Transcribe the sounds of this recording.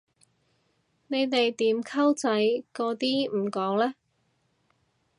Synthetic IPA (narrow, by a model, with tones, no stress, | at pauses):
ne˨˧jt̪e˨jt̪iː˨˥mkʰɐ˥wt͡sɐ˨˥jkɔː˨˧t̪iː˥˨˩kɔː˨˥ŋlɛː˥